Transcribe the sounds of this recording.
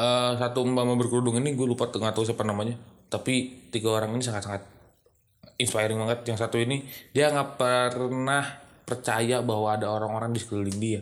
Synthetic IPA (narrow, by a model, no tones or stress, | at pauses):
ʔəːsat̪uəmbamabərkludʊŋiniɡulupat̪ŋat̪aus̬apanamaɲat̪apit̪iɡaoɾaŋinisaŋat̪saŋat̪̚ | inspajɾɪŋbaŋət̪̚jaŋsat̪uinidiaŋapərnahpərt͡ʃajabaɦwaːdaoɾaŋoɾaŋdisəkɾilɪŋdia